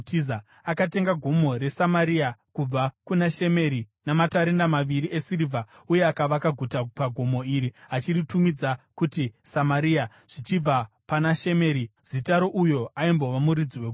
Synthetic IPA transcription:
tiza | akate̞ŋɡaɡʱomo̞ɾe̞samaɾiakub͡vakunaʃe̞me̞ɾinamataɾendamaʋiɾiʔe̞sirivʱa | uje̞akaʋakaɡʱutapaɡʱomo̞iɾiɦat͡ʃiritumid͡zakutisamaɾia | ʐ̥it͡ʃib͡va | panaʃe̞me̞ɾiz̥itaɾoʔujo̞aimbo̞ʋamuɾid͡ziwek

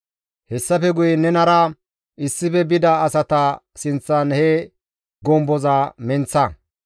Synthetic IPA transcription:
hɛsːɐfɛɡʊjɛnɛnɐɾɐ | ɪsːɪfɛbɪd̪ɐːsɐt̪ɐ | sɪnt͡sːɐnhɛ | ɡɔmbɔzaːmɛnt͡sːɐ

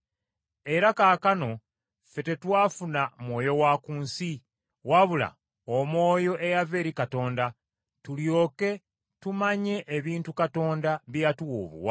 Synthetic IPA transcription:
e̞ɾakaːkano̞ | fe̞te̞twaːfunamwo̞ːjo̞waːkuːnsi | waβula̰ | omwo̞ːjo̞ʔe̞jave̞ːɾikato̞ːnda | tuljo̞ːke̞ | tumaɲe̞ʔːβiːntukato̞ːndaβjatuwo̰ːβṵwa

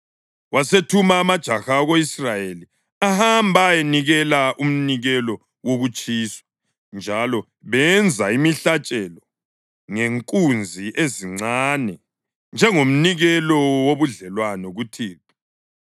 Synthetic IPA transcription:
wasetʰumaːmad̥ʒ̥ʱaxaɣoisrajeli | ahambʱajeniɣɛlaʔum̩niɣɛlɔ | woɣut͡ʃʼiːswḁ | nd͡ʒʱalɔ | βɛnd͡zʱaimiɬat͡ʃʼɛlɔ | ŋeŋkʼund͡zʱiʔeziŋ͡ǀaːnɛ | nd͡ʒʱɛŋom̩niɣɛlɔwoβuɮɛlwanɔɣutʰiːpi̥

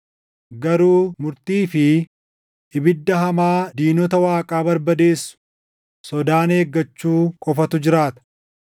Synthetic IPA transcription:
ɡɐɾuːmʊɾt̪iːfɪ | ʔɪbɪd̪ːɐɦɐmaːd̪iːnɔt̪ɐwaːkʼaːbɐɾbɐd̪eːsʊ̥ | sɔd̪aːne̞ːɡːɐt͡ʃːuːkʼɔfɐt̪ʊd͡ʒɪɾaːt̪ɐ̥

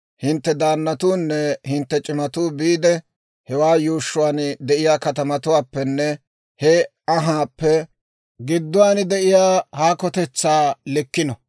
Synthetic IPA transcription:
hɪnt̪ːɛd̪aːnːɐt̪uːnːɛhɪnt̪ːɛt͡ʃʼɪmɐt̪uːbiːd̪ɛ | hɛwaːjuːʃːʊwaːnd̪ɛʔɪjaːkɐt̪ɐmɐt̪ʊwaːpːɛnːɛ | hɛ | ɐɦaːpːɛ | ɡɪd̪ːʊwaːnɪd̪ɛʔɪjaːhaːkɔt̪ɛt͡sːaːlɛkːɪnɔ

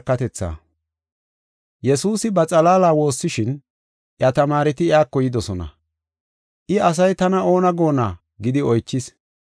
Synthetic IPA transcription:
kːɐt̪ɛt͡sːa̰ː | jɛsuːsɪbɐt͡sʼɐlaːlaːwo̞ːsːɪʃɪn | ʔjɐt̪ɐmaːɾɪt̪ɪjaːkːɔjɪd̪ɔsɔnɐ̰ | ʔɪɐs̬ɐjt̪ɐnɐo̞ːnɐɡo̞ːnaː | ɡɪd̪ɪɔjt͡ʃːɪs

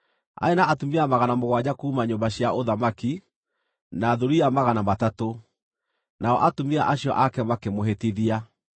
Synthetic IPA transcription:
a̰enaʔatomiamaɣanamoɣwad͡ʑakuːmaɲombaɕjaʔoðamaki | naːðoɾiamaɣanamatato | naɔʔatomiaʔaɕjɔ̰ʔakɛmakemoɦetiðia

